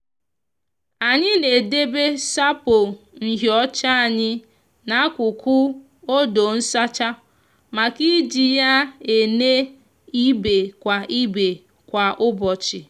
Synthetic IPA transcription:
a˨ɲɪ˦ne˨de˦be˦sa˦po˨ | ŋ̩˨ɦjɔ˦t͡ʃa˦a˨ɲɪ˦ | na˦kʷʊ˨kʊ˦ | o˦do˨n̩˦sa˦t͡ʃa˦ | ma˨ki˦d͡ʒi˨ja˦e˨ne˦ | i˦be˨kʷa˨ʔi˦be˨ | kʷa˨ʔʊ˦bɔ˨t͡ʃɪ˨

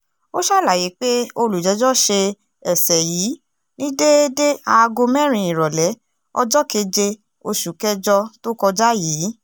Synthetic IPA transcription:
o˦ʃa˦la˨ji˨˦k͡pe˦o˧lu˨d͡ʒɛ˨˦d͡ʒɔ˦ʃe˧ | ɛ˨sɛ˨jiː˨˦ | nĩ˦de˦de˦a˧ɡo˧mɛ̃˦˨ɾ̃ĩ˨˧i˨ɾɔ˨lɛ˨˦ | ɔ̰˦d͡ʒɔ˦ke˧˦d͡ʒe˧ | o˧ʃu˨kɛ˦d͡ʒɔ˧to˦kɔ˧d͡ʒa˦jiː˨˦

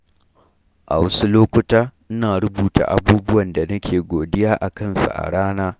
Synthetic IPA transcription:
ʔa̰˨wɐ˦su˦loː˦kʷʊ˦taː˦ʔɪ˦naː˨ɽʊ˦buː˨ta̰˨ʔa̰˨buː˦bʊ˦wɐ˨nda˨nɐ˦kʲʰeː˨ɡʷoː˨dɪ˦jaː˦ʔa˨kɐ˦˨nsa̰˨ʔa̰˨ɽaː˦naː˦

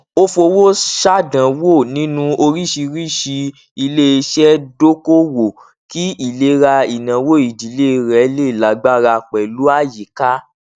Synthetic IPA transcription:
o˦fo˧wo˦ʃa˦dã˨wo˦˨nĩ˦nũ˧o˧ɾi˦ʃi˧ɾi˦˨ʃi˧ | i˧le˦e˧ʃɛ˦do˦ko˦wo˨ | ki˦i˦˨le˦ɾa˧i˨nã˨wo˦˨i˨di˨le˦˧ɾɛ˨˦le˦˨la˨ɡ͡ba˦ɾa˧k͡pɛ˨lu˦a˦˨ji˨ka˦

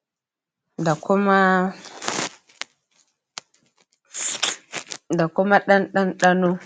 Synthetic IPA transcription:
da˨ko˦ma˦ | da˨ko˦ma˦ɗa˦nɗa˦nɗa˦no˦

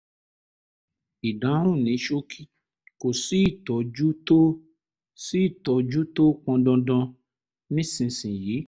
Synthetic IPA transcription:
i˨da˨˦ɾ̃ũ˦˨nĩ˨˦ʃo˦kʰi˦ | ko˨si˨˦i˦˨tɔ˨d͡ʒu˦to˦ | si˦i˦˨tɔ˨˧d͡ʒu˦to˦k͡pɔ̃˧dɔ̃˧dɔ̃˧ | nĩ˦sĩ˨sĩ˨jiː˨˦

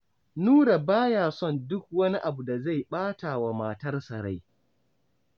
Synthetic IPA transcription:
nuː˦ɽa˨baː˦jaː˨sɔ˦˨ndʊ˦k̚wɐ˦ni˦ʔa˨bu˨da˨za˦˨jɓaː˦ta˨wa˨maː˨tɐ˦rsɐ˨ɾa̰˦j

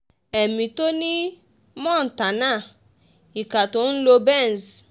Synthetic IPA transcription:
e˨mĩ˨to˦nĩ˦ | mɔ̃˦˨n̩˨ta˨na˦˨ | i˨ka˨tʊ˨˦n̩˦lo˧bɛ˦˨n˨z

